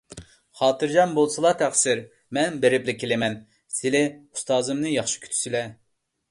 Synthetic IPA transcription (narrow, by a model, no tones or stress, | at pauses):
χɑːt̪ʰɨɾd͡ʒɑnbolˠsɨlˠɑt̪ʰæχsɪɾ | mɛnbeɾɪplɪkʲʰelɪmɛn | sɪlɛu̥st̪ɑːzɨmnɨjɑχʃi̥kʲʰy̥t̪ʰy̥silɛ